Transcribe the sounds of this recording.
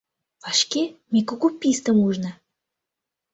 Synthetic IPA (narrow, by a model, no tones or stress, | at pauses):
vɑʃkʲemʲekokupʲːist̪əmuʒnə